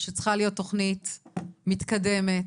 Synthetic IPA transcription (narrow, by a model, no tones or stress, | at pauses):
ʃet͡sχalijo̞t̪ːo̞χnitmit̪kade̞met